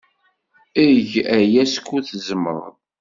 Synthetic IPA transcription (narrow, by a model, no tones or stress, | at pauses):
iʝæjæskːuθəzəmə̰ɾˤ